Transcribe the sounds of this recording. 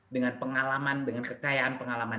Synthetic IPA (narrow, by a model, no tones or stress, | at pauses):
dəŋanpəŋalamandəŋankəkajaʔanpəŋalama